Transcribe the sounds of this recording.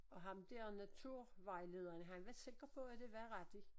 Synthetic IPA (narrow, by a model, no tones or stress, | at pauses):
ɒ̽ɦɑ̈md̥eɐnæt͡sʰuɐ̰ʋɑ̈ɪle̝ːð̞ˠɐnəɦɑnʋæɐse̝ɡ̥ʁɐpʰɒ̽æd̥e̝ʋæɐʁæd̥i